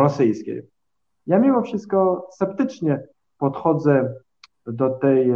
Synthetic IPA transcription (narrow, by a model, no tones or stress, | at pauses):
ɾɔsɘjskʲḛj | jamʲimɔfʂɘst̪̚kɔsɛpt̪ɘt͡ʂɲɛ | pɔt̪xɔd̪zɛ | d̪ɔt̪ɛj